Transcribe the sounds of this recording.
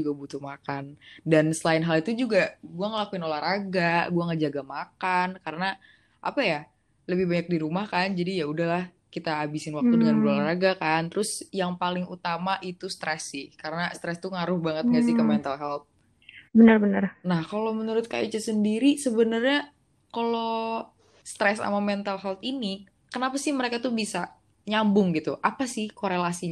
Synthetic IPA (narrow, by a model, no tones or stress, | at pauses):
uɡabut̪ʊhmakandansəlaɪnɦalit̪ud͡ʒuɡaɡuaŋəlakuɪnolahraɡaɡuaŋəd͡ʒaɡamakankaɾəna | ʔa̰paja | ləbɪhbaɲak̚diɾumahkand͡ʒadijaudahlah | kit̪aːbisɪnwak̚t̪udəŋanulolaraɡakant̪ɾʊsjaŋpalɪŋut̪amaʔit̪ust̪ɾɛsːɪhkaɾənast̪ɾɛst̪uŋaɾʊhbaŋət̪̚ŋɡasɪhkəmɛnt̪alɦalt̪̚ | bənərbənərnahkalomənuɾʊt̪̚ka̰jit͡ʃasəndiɾisəbənərɲa | kalo | st̪ɾɛsa̰mamɛnt̪alɦalt̪ini | kənapasɪhməɾekat̪ubisa | ɲambʊŋɡit̪uʔapasɪhkoɾelasiɲ